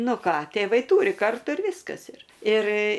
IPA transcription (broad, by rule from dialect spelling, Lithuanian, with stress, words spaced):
ˈnʊ ˈkɑː tʲeːˈʋɐɪ ˈtuːrʲɪ ˈkɐrtʊ ɪr ˈʋʲɪskɐs ɪr ɪr